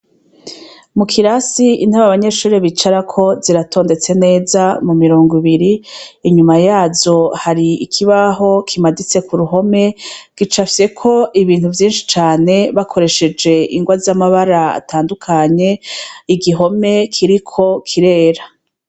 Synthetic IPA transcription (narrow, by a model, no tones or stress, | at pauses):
mukʰiɾasiin̥haβaaβaɲe̞ʃuːɾiβit͡ʃaɾakʰo̞ziɾatʰo̞ːnde̞t͡se̞ne̞ːzamumiɾo̞ːŋɡwiβiɾiːɲumajaːzo̞haɾiikʰiβaɦo̞kʰimadit͡se̞kuɾuɦo̞me̞ɡ̥it͡ʃafse̞kʰo̞iβiːnhuvjiːnʃi̥t͡ʃaːne̞βakʰo̞ɾe̞ʃe̞d͡ʒe̞ʔiŋɡwazamaβaɾaa̰taːndukʰaɲe̞iɡiɦo̞me̞kʰiɾikʰo̞kʰiɾe̞ːɾa